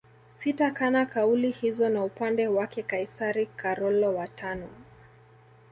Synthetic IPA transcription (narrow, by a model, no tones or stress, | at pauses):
sitakanakaulihizɔnaupandɛwakɛkaisaɾikʰaɾɔlɔwatʰanɔ